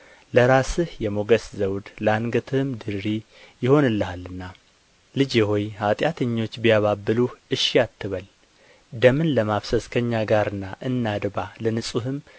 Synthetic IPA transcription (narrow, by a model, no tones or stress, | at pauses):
ləɾasɨhjɛmoɡəszəwd̪laŋɡət̪ʰɨhɨmd̪ɨɾɾi | jɪho̞nɨlːəhalːɨnːa | lɨd͡ʒeho̞jhat̪ʼjat̪ʰəɲːo̞t͡ʃːbijaβabːɨluhʔɨʃːijat̪ʰːɨβəl | d̪əmɨnləmafsəskʰəɲːaɡaɾɨnːaʔɨnːad̪balənɨsʼuhɨm